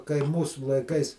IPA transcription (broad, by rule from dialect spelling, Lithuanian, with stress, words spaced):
kɐɪ ˈmuːsʊ lˠɐɪˈkɐɪs